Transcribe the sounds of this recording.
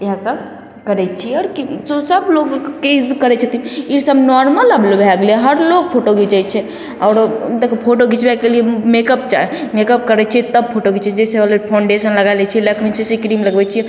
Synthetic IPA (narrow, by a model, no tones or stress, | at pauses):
iɦasəb̚ | kəɾɛt͡ʃʰiɔɾkisosəbloɡkizkəɾɛt͡ʃʰɛt̪imiɾsəbnɔɾmələblobʱɛɡlɦəɾloɡ̚pʰoʈoɡit͡ʃɛt͡ʃʰɛ | ɔːɾd̪ekpʰoʈoɡit͡ʃʰbɛkeliemekəp̚t͡ʃaɛmekəp̚kəɾɛt͡ʃʰit̪əb̚pʰoʈoɡit͡ʃʰɛd͡ʒɛseoleɾpʰãɳɖesənləɡalɛt͡ʃʰilekʰminsesikɾimləɡbɛt͡ʃʰi